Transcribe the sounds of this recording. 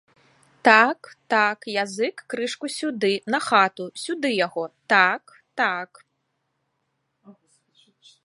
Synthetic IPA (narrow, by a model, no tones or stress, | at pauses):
t̪akt̪akjazɨkːɾɨʂkusʲud̪ɨnɐxat̪usʲud̪ɨjaɣɔt̪ak | t̪ak